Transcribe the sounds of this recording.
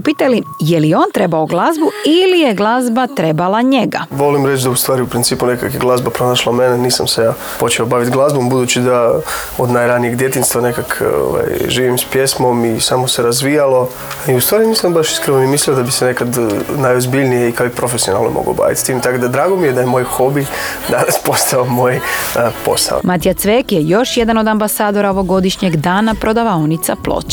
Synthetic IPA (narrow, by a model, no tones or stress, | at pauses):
upiːt̪alijelijeo̞ːnt̪ɾebaoɡlˠazbuilijeɡlˠazbat̪ɾebalˠaɲeɡaʋo̞limɾet͡ʃd̪aust̪ʋaːɾiupɾint̪siːpune̞kakjeɡlˠazbapɾo̞naʃlˠameneniːsa̰msejaː | po̞t͡ʃeobaʋit̪ɡlˠazbombud̪uːt͡ɕt͡ʃid̪a | od̪naːjɾanijeɡd̪je̞t̪iːnst̪ʋane̞kakʰo̰ʋa̰jʒiːʋimspjesmo̞misaːmo̞se̞ɾazʋijalˠo̞ | iust̪ʋaːɾinisambaʃi̥skɾenoimisliod̪abisene̞kad̪najozbiʎnijeikaiɡpɾofe̞siona̰lo̰mo̰ɡo̰ba̰ːʋḭt̪st̪iːmt̪akod̪ad̪ɾaːɡo̞mijed̪ajemoːjxo̞bi | d̪anaspo̞st̪aomo̞ːjpo̞̰sa̰o̰mat̪ijat̪sʋekjejo̞ʃjed̪ano̞d̪ambasaːd̪o̞ɾaoʋo̞ɡo̞d̪iʃɲeɡd̪aːnapɾod̪aʋaonit̪saplˠo̰t͡ɕḁ